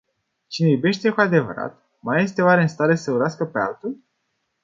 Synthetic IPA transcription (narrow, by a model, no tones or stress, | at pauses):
t͡ʃinejube̞ʃt̪e̞kuad̪e̞və̰ɾa̰t̪ | maje̞st̪eoaɾe̞nst̪aɾe̞səuɾaskəpea̰lt̪ulʲ